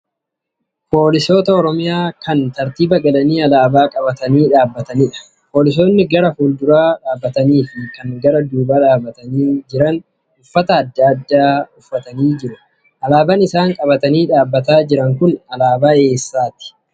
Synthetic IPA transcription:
po̞ːlɪso̞ːt̪ɐɔɾɔmɪjaːkɐnt̪ɐɾt̪iːbɐɡɐlɐniːɐlaːbaːkʼɐbɐt̪ɐniːᶑaːbːɐt̪ɐnɪᶑɐ̥ | poːlɪs̬o̞ːnːɪɡɐɾɐhuːld̪ʊɾaːᶑaːbːɐt̪ɐniːfɪkɐŋɡɐɾɐd̪uːbaːᶑaːbːɐt̪ɐniːd͡ʒɪɾɐn | ʊfːɐt̪ɐːd̪ːaːd̪ːaːʊfːɐt̪ɐniːd͡ʒɪɾʊ | ʔɐlaːbɐnɪsaːŋkʼɐbɐt̪ɐniːᶑaːbːɐt̪aːd͡ʒɪɾɐŋkʊnɐlaːbaːe̞ːsːaːt̪ɪ̥

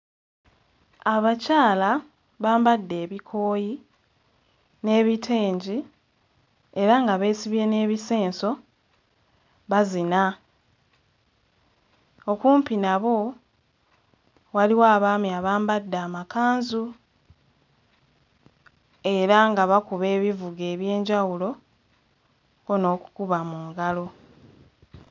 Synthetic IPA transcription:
aβacaːla | βaːmbadːe̞ːβikʰo̞ːji | ne̞ːβitʰeːɲɟi | e̞ɾaŋɡaβe̞ːsiβje̞ne̞ːβise̞ːnso̞ | βazina | o̞kuːmpinaβo̞ | waliwaːβaːmiaβaːmbadːaːmakaːnzu | e̞ɾaŋɡaβakuβe̞ːβivuɡe̞ːβje̞ːɲɟawulo̞ | ono̞ːku̥kuβamuːŋɡalo̞

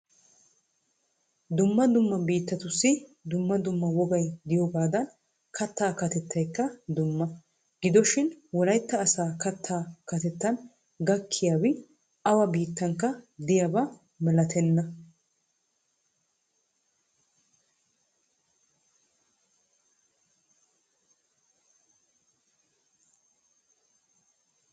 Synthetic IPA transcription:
d̪ʊmːɐd̪ʊmːɐbiːt̪ːɐt̪ʊsːɪd̪ʊmːɐd̪ʊmːɐwɔɡɐjd̪ɪjoɡaːd̪ɐn | kʰɐt̪ːaːkɐt̪ɛt̪ʰːɐjkːɐd̪ʊmːɐ | ɡɪd̪ɔʃɪnwɔlɐjt̪ːɐːsaːkɐt̪ʰːaːkɐt̪ɛt̪ːɐn | ɡɐkʰːɪjaːwɪ | ʔɐwɐbiːt̪ːɐŋkːɐd̪ɪjɐbɐ | mɛlɐt̪ʰɛnːɐ

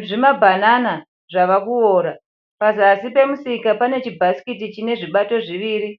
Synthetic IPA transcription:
ʐimabʱanana | ʐaʋakuo̞ːɾa | pazːsipe̞musikapane̞t͡ʃibʱaskit̬it͡ʃine̞ʐiɓato̞ʐiʋiːɾi

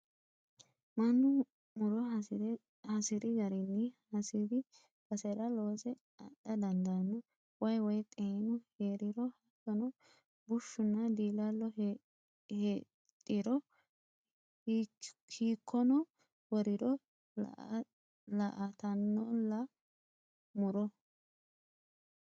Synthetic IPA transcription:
mɐnːʊ | mʊɾɔ | hɐsɪɾɪɡɐɾɪnːɪhɐsɪd̪ɪ | bɐsɛɾɐlo̞ːsɛ | ɐ̰ɗːɐd̪ɐnd̪ɐnːɔ | wɐjwɔjt̪ʼeːnʊheːɾɪɾɔhɐkːɔnɔ | bʊʃːʊnːɐd̪iːlalːɔ | he | t̪ʼːɪɾɔ | kʰiːkʰːɔnɔ | wɔɾɪdɔ̰ | lɐʔɐt̪ɐnːɔlːɐ | mʊɾɔ

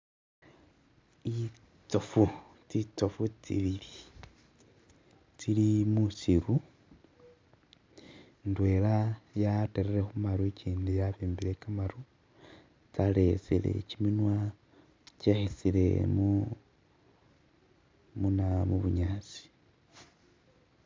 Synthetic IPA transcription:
i | t͡sofu | tit͡sofutḭβili | t͡silimusiɾu | ndwe̞lajateɾeɾexumaɾueciːndijaβiːmbile̞kamaɾu | t͡sale̞selḛciminwa | cexesile̞̰mu | munamuβuɲaːt͡si̥

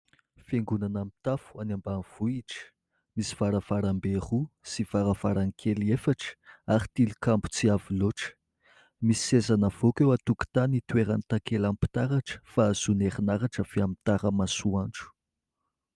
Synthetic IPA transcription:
feŋɡunanamit̪afu̥anambaniv̥uiʈ͡ʂə̥ | misi̥v̥aɾəv̥aɾamberusiv̥aɾəv̥aɾanikʰeliefaʈ͡ʂə̥aɾi̥t̪ilikambu̥t͡siaviloʈ͡ʂə̥ | misi̥sezanəv̥okewat̪uki̥t̪anit̪weɾant̪akelampi̥t̪aɾaʈ͡ʂə̥faz̥unerinaɾaʈ͡ʂəfiamit̪aɾəmasuaɳʈ͡ʂu̥

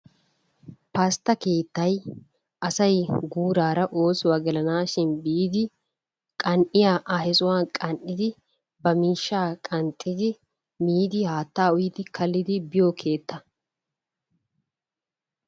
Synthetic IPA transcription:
pɐst̪ːɐke̞ːt̪ːɐj | ʔɐsɐjɡuːɾaːɾɐʔo̞ːsʊwaɡɛlɐnaːʃɪnbiːd̪ɪ | kʼɐnʔɪjaːʔahɛsʊwaːnkʼɐnʔɪd̪ɪ | bɐmiːʃːaːkʼɐnt̪ʼːɪd̪ɪ | miːd̪ɪhaːt̪ːaːʊjɪd̪ɪkʰɐlːɪd̪ɪbɪjokʰe̞ːt̪ːɐ

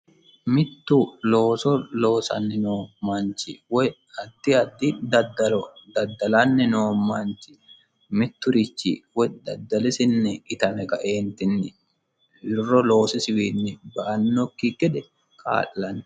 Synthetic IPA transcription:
mɪt̪ːʊlo̞ːsɔlo̞ːsɐ̰nːɛnoːmant͡ʃɪwɔ | ɐd̪ːɪɐd̪ːɪd̪ɐd̪ːɐlɔd̪ɐd̪ːɐlɐnːɪnoːmant͡ʃɪ̥ | mɪt̪ːʊɾɪt͡ʃːɪ̰wɔjd̪ɐ̰d̪ːɐlɪsɪnːɛɪt̪ɐmɛkɐʔeːnt̪ɪnːɪ | ɪrːɔlo̞ːsɪsɪwiːnːɪbɐʔɐnːɔkːiɡɛd̪ɛ | kʰa̰ːlːɐnɛ

